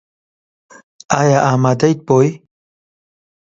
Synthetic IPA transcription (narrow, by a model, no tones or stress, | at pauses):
ajaʔamad̪ajt̪̚poj